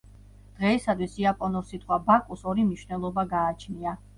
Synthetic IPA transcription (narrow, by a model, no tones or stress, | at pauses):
d̪̥ʁɛisad̪wisiapʼɔnɔɾsit̪ʼχwabakʼusɔɾimniʃnɛlˠɔbaɡaːt͡ʃʰnia